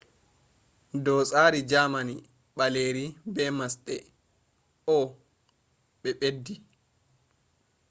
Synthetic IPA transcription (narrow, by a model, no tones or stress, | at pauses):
dɔːsʼaːɾid͡ʒamani | ɓaleːɾibɛmasɗɛ | ɔ | ɓɛɓedːi